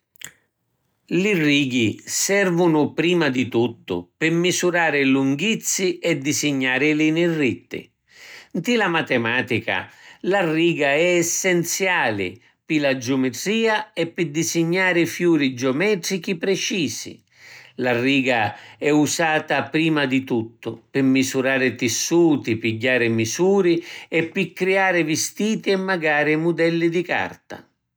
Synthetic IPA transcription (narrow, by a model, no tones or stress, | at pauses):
lɪrːiːɡisɛrvʊnʊpɾiːmad̪it̪ut̪ːʊ̰pɪmːisuɾaːɾɪluŋɡit̪sːiʔɛd̪ːisɪɲːaːɾɪlɪnɪrːit̪ːɪ̰ | nt̪ɪlamat̪ɛmaːt̪ika̰larːiːɡaɛːsːɛnt̪sjaːlɪ̰ | pɪlad͡ʒʊmɛt̪ɾiːaɛpːɪd̪isɪɲːaːɾɪfjuːɾid͡ʒɔmɛːt̪ɾik̟ipɾɛt͡ʃiːsḭ | lariːɡaɛusaːt̪apɾiːmad̪it̪ut̪ːʊpɪmːisuɾaːɾɪt̪ɪsːuːt̪ipiɟːaːɾɪmisuːɾiɛpːɪkːɾiaːɾɪvist̪iːt̪iɛmːaɡaːɾɪmud̪ɛlːid̪ika̰rt̪a̰